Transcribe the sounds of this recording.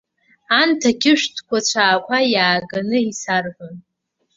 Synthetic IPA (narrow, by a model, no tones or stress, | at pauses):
antʰakʲʰɪʃᶣtʰkʷʰat͡ɕʷʰaːkʷʰajaːɡanɨisarħʷʊn